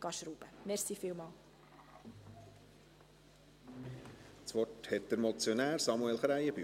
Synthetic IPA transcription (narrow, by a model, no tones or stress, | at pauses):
ɡ̥ɑʃɾuːb̥əmɛɾsiːfiːlmɑːl | t͡sʋɔthɛt̪̚d̥̪əɾmɔt͡sjonæːɾsɑmuɛlχɾæɪəby